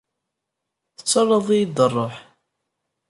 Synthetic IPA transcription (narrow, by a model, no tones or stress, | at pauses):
θə̥t͡sːərˤːəðˤijid̪ərˤːoħ